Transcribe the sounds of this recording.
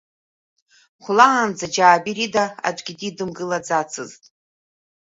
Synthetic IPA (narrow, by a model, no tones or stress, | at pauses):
χʷʊlaːnd͡zad͡ʒaːbiridaa̰d͡ʒʷʼɡʲididɨmɡɨlad͡zat͡sʰɨztʼ